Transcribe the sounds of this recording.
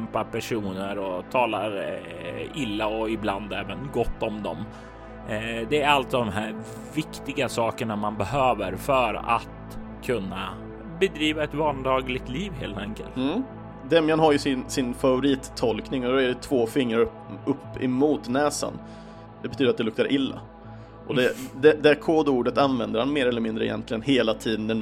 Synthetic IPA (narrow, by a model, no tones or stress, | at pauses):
mpapʰæʂuːnəɾɔt̪ʰɑːla | ɪlːaɔɪbland̪ɛːvənɡɔt̪ːɔmd̪ɔ̰m | d̪ɛːɾalt̪d̪ɔmɦæːɾ | vɪkt̪ɪɡasɑːkəɳamanbɛɦøːvəɾfœɾa̰t̪ | kʰɵnːa̰ | bɛd̪ɾiːvaɛt̪vɑːnd̪ɑːɡlɪɡ̚t̪liːvɦḛːlt̪ʰɛŋkəlt̪ː | d̪ɛmjanɦaɾjɵsɪnsɪnfavʊɾiːt̪ʰːɔlknɪŋɔd̪ɔɛɖɛt̪ʰvoːfɪŋːɾaɾ | ɵpːɪ̰muːt̪nɛːsa̰n | d̪ɛbɛt̪ʰyːd̪əɾt̪̚d̪ɛlɵk̚t̪aɾʔɪlːa̰ | ʔɔd̪ɛd̪ɛd̪ɛkʰoːd̪uːɖət̪anvɛnd̪əɾhanmeːɾɛlːəɾmɪnd̪ɾəɪ̰jɛ̰nt̪lɪɡənɦeːlat̪ʰiːd̪ənd̪ɛn